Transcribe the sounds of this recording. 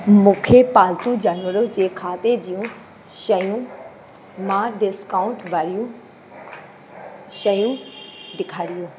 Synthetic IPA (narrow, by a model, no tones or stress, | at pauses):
mũkʰepaːlt̪ũd͡ʒaːnʋəɾod͡ʑeːkʰaːt̪ed͡ʒijũ | ʃəjũ | mãɖɪskaːʊɳʈʋaːlijũ | ʃəjũɖɪkʰaːɾijũː